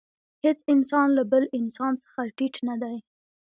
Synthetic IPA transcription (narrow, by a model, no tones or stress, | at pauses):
het͡sɪnsɑnlabəlɪnsɑnt͡sə̥xaʈiʈnad̪aj